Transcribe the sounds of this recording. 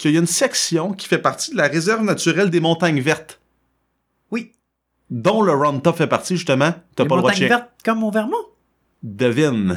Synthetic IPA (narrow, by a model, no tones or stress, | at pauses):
kʲjəjynsɛksjɔ̃kʲi̥fɛpaʁt̪id̪əlaʁezɛʁvnat͡syʁɛld̪emɔ̃t̪aɲvɛʁt̪ | wi | d̪ɔ̃ləʁɑ̃nt̪ɔpfɛpaʁt̪t͡siʒyst̪əmãt̪apɔɔ̃w̪aɲɛ̃vɛʁt̪̚kɔmːɔ̃vɛʁmɔ̃ | d̪əvɪn